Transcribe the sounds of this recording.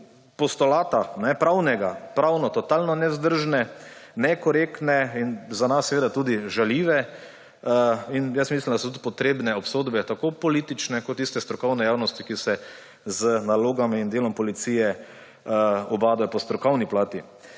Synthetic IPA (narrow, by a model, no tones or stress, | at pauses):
pɔst̪ɔlaːt̪anɛpɾawnɛɡapɾawnɔt̪ɔt̪alnɔnɛzd̪əɾʒnɛnɛkɔɾekt̪nɛinzanasːɛʋeːd̪at̪ud̪iʒaljiːʋɛ | injəsmislimd̪asot̪ut̪pɔt̪ɾeːbnɛɔpsoːd̪bɛt̪akopɔliːt̪it͡ʃnɛkoɔt̪ːist̪ɛst̪ɾɔkɔwnɛjaːwnɔst̪ikisɛ | zənaloːɡamind̪eːlɔmpɔlit̪sijɛ | ɔbaːd̪ɔpɔst̪ɾɔkɔwniplaːt̪i